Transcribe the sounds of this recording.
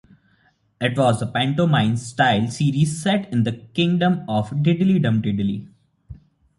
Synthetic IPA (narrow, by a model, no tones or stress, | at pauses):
ɪʈʋɔːzəpæ̃ɳʈoːmãɪ̃nsʈaɪlsiːɾiːzsɛʈɪ̃nd̪əkɪ̃ŋɖə̃mɔːfɖɪɖɪliɖə̃mɖɪɖɪlḭ